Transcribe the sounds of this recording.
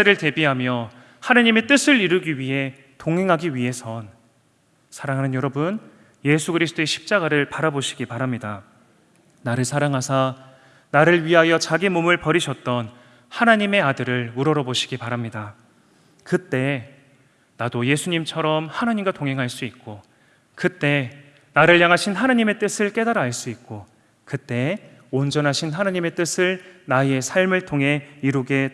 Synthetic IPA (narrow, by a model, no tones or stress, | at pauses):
eɾɯɭte̞biɦamjʌ | hanaɲime̞t͈ɯsʰɯɭiɾɯɡiɥiɦe̞ | toŋɦe̞ŋɦaɡiɥiɦe̞sʰʌn | sʰaɾaŋɦanɯnjʌɾʌbɯn | je̞sʰuɡɯɾisʰɯ̥t͈oe̞ɕʰi̥p̚t͡ɕ͈aɡaɾɯɭpaɾaboɕʰi̥ɡipaɾamɲida | naɾɯɭsʰaɾaŋɦasʰa | naɾɯɭɥiɦajʌt͡ɕaɡimomɯɭpʌɾiɕʰʌt̚t͈ʌn | hanaɲime̞adɯɾɯɭuɾʌɾʌboɕʰi̥ɡipaɾamɲida | kɯt͈e̞ | nadoje̞sʰuɲimt͡ɕʰʌɾʌmhanaɲimɡatoŋɦe̞ŋɦaɭs͈uik̚k͈o | kɯt͈e̞ | naɾɯɭjaŋɦaɕʰinɦanaɲime̞t͈ɯsʰɯɭk͈e̞daɾɦaɭs͈uik̚k͈o | kɯt͈e̞ | ond͡ʑʌnɦaɕʰinɦanaɲime̞t͈ɯsʰɯɭnaje̞sʰaɭmɯɭtʰoŋɦe̞iɾuɡe̞